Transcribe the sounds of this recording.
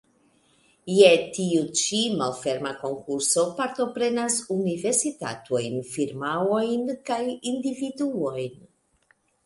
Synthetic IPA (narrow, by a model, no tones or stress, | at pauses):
jet̪iut͡ʃimalfɛɾmakoŋkuɾsopaɾt̪opɾenazuniveɾsit̪a̰t̪uojnfiɾmawojnkajind̪ivid̪uojn